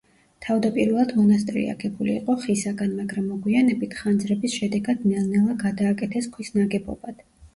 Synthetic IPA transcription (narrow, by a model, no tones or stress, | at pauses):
t̪ʰavd̪apʼiɾvɛlˠad̪mɔnas̬t̪ʼɾḭa̰ɡɛbulḭːqʼɔχisaɡanmaɡɾamːɔɡwianɛbit̪ʰχand̪zɾɛbisʃɛd̪ɛɡad̪̥nɛlnɛlˠaɡad̪aːkʼɛt̪ʰɛskʰwisnaɡɛbɔ̰bad̪̥